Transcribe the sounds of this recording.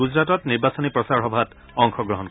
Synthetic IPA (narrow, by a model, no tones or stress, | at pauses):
uzɹatɔtniɹbasɔnipɹɔsaɹɦɔbʱat | ɔŋkʰɔɡɹɔɦɔnk